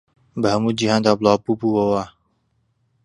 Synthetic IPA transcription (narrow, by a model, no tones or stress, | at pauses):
bəɦəmud͡ʒiɦãnd̪ablapupuwəwa